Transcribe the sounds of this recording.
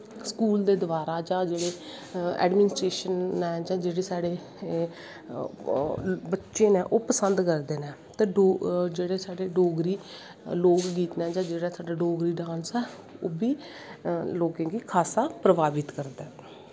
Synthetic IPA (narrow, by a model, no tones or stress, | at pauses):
skuːld̪eːd̪ʊʋaːɾaːd͡ʒãːd͡ʒeːɽeː | ɛ̰ːɖmɪnɪsʈɾeːʃənɛːd͡ʒãːd͡ʒeːɽeːsaːɽeː | bətːʃẽːnɛ̃ːʔoːpəsənd̪kəɾd̪eːnɛ̃ː | t̪eːɖoːd͡ʒeːɽeːsaːɖeːɖoːɡɾiː | loːkɡiːt̪nɛːd͡ʒãːd͡ʒeːɽaːsaːɖaːɖoːɡɾiːɖãːnsɛː | o̰ːbiː | loːɡẽːɡiːkʰaːsaːpɾəʋaːbɪt̪kəɾd̪ɛː